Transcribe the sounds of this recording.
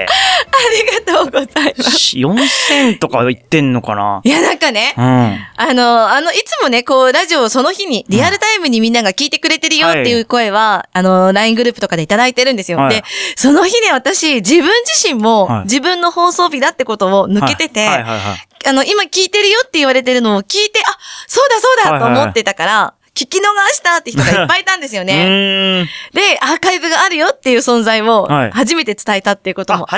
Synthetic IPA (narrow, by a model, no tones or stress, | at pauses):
aɾʲiɡat̪oːɡo̞zaimasjõsẽ̞nt̪o̞kait̪ːẽnːoka̰na̰janãŋkane̞ɯ̃ano̞ano̞it͡sɨmo̞ne̞ko̞ːɾaʑio̞so̞no̞çiɲ̟iɾʲiaɾɯ̟t̪aimɯ̟ɲ̟imʲĩnːaɡakʲiːt̪e̞kɯ̟ɾe̞t̪e̞ɾɯ̟jo̞t̪ːe̞jɯ̟ko̞e̞β̞aːno̞ɾaĩŋɡɯ̟ɾɯpɯ̟t̪okad̪e̞it̪ad̪ait̪e̞ɾɯ̟nd̪esɨjo̞d̪e̞so̞no̞çine̞β̞at̪aɕid͡ʑibɯ̟̃ɲ̟d͡ʑiɕĩmːo̞d͡ʑibɯ̟̃nːo̞ho̞ːso̞ːbʲid̪at̪ːeko̞t̪o̞ːnɯ̟ke̞t̪e̞t̪e̞ | ano̞ʔimakʲiːt̪e̞ɾɯ̟jo̞t̪ːe̞iβaɾe̞t̪̬e̞ɾɯ̟no̞ːkʲiːt̪e̞ʔaso̞ːd̪aso̞ːd̪at̪ːo̞ːmo̞t̪ːe̞t̪akaɾa | kʲikʲino̞ɡaɕi̥t̪at̪ːeçit̪oɡaipːait̪ãnd̪es̬ɨjo̞ne̞ | d̪e̞aːkaibɯɡaːɾɯ̟jo̞t̪ːe̞jɯ̟ːsõ̞nzaio̞haʑime̞t̪e̞t͡sɨ̥t̪aet̪at̪ːe̞jɯ̟ko̞t̪omo̰